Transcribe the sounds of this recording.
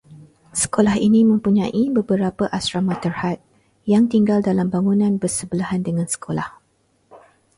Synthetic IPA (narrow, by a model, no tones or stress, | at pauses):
sə̥kolahinĩmə̃mpuɲãʔibəbəɾapəʔasɾamãt̪ərhat̪̚ | jaŋt̪iŋɡaldalambaŋũnãnbərsəbəlaɦandəŋãnsə̥kʰola̰h